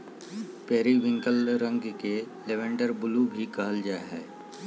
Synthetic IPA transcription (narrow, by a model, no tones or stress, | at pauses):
pɛːɾiʋɪ̃ŋkəlɾə̃ŋɡke | leʋɛ̃ːɳɖəɾbʊlubʱikaɦəld͡ʒaːeɦɛː